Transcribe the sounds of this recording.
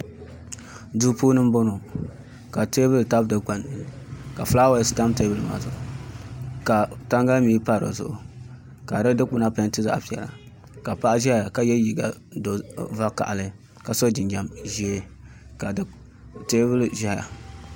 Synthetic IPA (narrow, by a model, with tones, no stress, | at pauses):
du˦puː˦nɨ˦m˦bo˦no˨ | ka˨te˦bɨ˦lta˦bdɨ˨ɡ͡ba˨n˨ka˨fla˦wa˦˨˦sta˦mte˦bɨ˨lma̰ː˨zʊ˨ʔʊ˨ | ka˨ta˦ŋɡa˦miː˦pa˦˨ɾo̰˨zʊ̰˨ʔʊ˨ | ka˨ɾɨ˦dɨ˦k͡pʊ˨na˦pa˨˦n˦tɨ˦za˨ʔa˨pi˨ɛ̰˨la̰˨ | ka˨pa˦ʔa˦ʒa˦˨ja˨ka˨jɛ˦ji˨ɡa˨do˨va˦ka̰˨ʔa˨lɨ˦ | ka˨so˦d͡ʒɪ˨nd͡ʒa˦mʒi˦e˦ | ka˨d | te˦bɨ˦lʒa˦hja̰˨